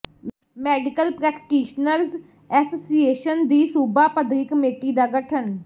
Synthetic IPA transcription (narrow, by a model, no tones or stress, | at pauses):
mɛːɖɪkəlpɾɛːkʈiːʃnəɾz | ɛːsoːsieːʃənd̪iːsuːbaːpəd̪ɾɪkmeːʈiːd̪aːɡəʈʰɦən